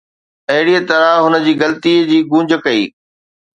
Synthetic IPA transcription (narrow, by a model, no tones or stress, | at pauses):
ɐɦɪɽiət̪ɐɾaɦʊnə̆d͡ʑiːɡɐlt̪iːd͡ʑiːɡũːɲd͡ʑʱəkɐḭː